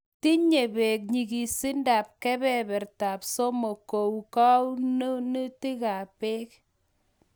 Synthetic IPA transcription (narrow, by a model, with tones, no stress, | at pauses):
ti˦ɲe˨be˨k̚ɲi˨ki˨si˦nda˨p̚kɛ˦bɛ˦˨bɛ˨ɾta˨p̚so˦mo˨ko˨wka˦wn˦ni˦ti˦ka˨pe˦k̚